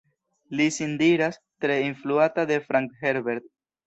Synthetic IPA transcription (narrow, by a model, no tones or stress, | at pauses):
lisindiɾas | tɾe̞influatade̞fɾaŋkheɾbeɾd̪̚